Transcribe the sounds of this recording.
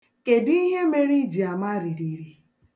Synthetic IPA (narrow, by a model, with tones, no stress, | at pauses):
ke˨di˦ɦe˦me˦ɾi˦d͡ʒi˨a˨ma˦ɾi˨ɾi˨ɾi˨